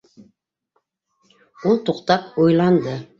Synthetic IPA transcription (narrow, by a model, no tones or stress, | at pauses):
ulˠt̪uqt̪ɑpojlˠɑnd̪ɤ